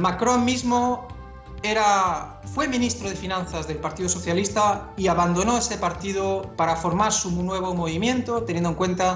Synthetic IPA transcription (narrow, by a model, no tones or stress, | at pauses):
makɾomːizmo | eɾa | fwe̞mĩnist̪ɾoð̞efinãnθazðe̞lpaɾt̪iðoso̞θjalist̪aiaβand̪onoesepaɾt̪ið̞opaɾafoɾmaɾsumunweβ̞omoβimjẽ̞nt̪ot̪enjẽnoeŋkwẽ̞nt̪a